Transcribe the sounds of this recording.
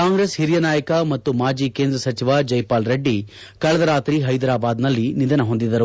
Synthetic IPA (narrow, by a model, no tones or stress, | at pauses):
kaːŋɡɾeːshiɾijɐnaːjɐkɐmɐt̪ːumaːd͡ʒiːkeːnd̪ɾɐsɐt͡ʃiʋad͡ʒɐjpaːlɾɐɖːi | kɐɭɐd̪ɐɾaːt̪ɾiːɦɐjd̪ɐɾaːbaːd̪nɐlːinid̪ɐnɐɦo̞nd̪id̪ɐɾu